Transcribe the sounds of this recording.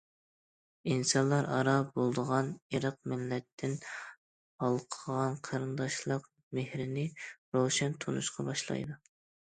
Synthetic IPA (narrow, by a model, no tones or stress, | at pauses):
insɑnlˠɑɾɑ̰ɾɑbolˠd̪əʁɑniɾɑq̚mɪlːɛt̪ʰːɪn | hɑlˠqʰəʁɑnqʰɑɾɨnd̪ɑʃlˠəq | mehɾɪnɪɾowʃɛnt̪ʰonuʃqʰɑbɑʃlˠɑ̰jd̪u